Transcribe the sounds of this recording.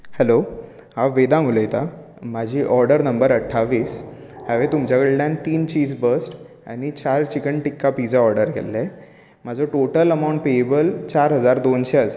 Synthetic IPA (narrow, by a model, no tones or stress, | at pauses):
hɛlo | ɦaʋed̪ãmuləjt̪a | mad͡ʑʱiːʔɔɾɖəɾnəmbəɾəʈʰaʋiːs | həʋet̪umt͡ɕakəɭlãnt̪iːnt͡ɕiːzbəsʈ | a̰ñit͡ɕaɾt͡ɕikəɳʈikːapid͡zaɔɾɖəɾkʰḛlːe | mad͡zʱɔʈoʈələmaw̃ɳʈ̚peebəlt͡ɕaɾɦəd͡zaɾd̪onɕeəsa